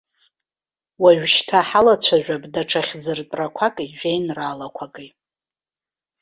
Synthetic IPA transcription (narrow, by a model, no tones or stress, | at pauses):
waɥᶣʃtʰaħalat͡ɕʷʰaʒᶣʷabdaʈ͡ʂʰaχʲd͡zɨrtʼrakʷʰakʼiʒʷᶣejnraːlakʷʰakʼi